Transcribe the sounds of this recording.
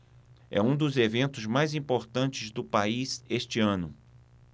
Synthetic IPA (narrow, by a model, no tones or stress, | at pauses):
ɛ̰ũd̪ʊzevẽnt̪ʊzmajzĩpoɾt̪ɐ̃nt͡ʃɪzd̪ʊpaizeʃt͡ʃɪɐ̃nʊ